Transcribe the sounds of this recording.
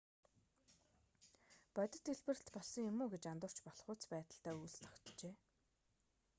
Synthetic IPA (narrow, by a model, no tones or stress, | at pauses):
pɔt̪ʲə̆t̪iɮpɘ̆rɘ̆ɬt̪pɔɮsɞ̆ŋjʊmuːɡet͡ɕant̪ʊ̆r̥t͡ɕpɔɮχʊːt͡spæːt̪ə̆ɬt̪æːujɮst̪ʰɔ̥kt̪t͡ɕeː